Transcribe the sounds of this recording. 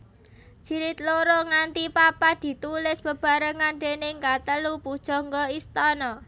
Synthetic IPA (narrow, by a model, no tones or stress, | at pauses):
ʒ̥i̤ɾɪt̪̚loɾoŋant̪ipapad̪̥i̤t̪ulɪsb̥əb̥a̤ɾəŋand̪enɪŋkat̪əlupud̥ʒ̥ɔ̤ŋɡɔist̪ɔnɔ